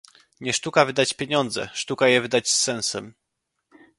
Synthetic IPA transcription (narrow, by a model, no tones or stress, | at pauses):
ɲɛʂt̪ukavɘd̪at͡ɕpʲjeɲɔnd̪zɛ̰ʂt̪ukajɛvɘd̪at͡ɕsɛñsɛm